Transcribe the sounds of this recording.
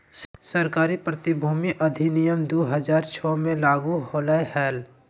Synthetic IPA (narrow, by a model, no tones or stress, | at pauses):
səɾkaːɾipɾət̪ɪbʱuːmiʔəd̪ʱinijəmd̪oːɦəd͡ʒaːɾt͡ʃʰɔːmẽlaːɡuɦoːlajhɛːl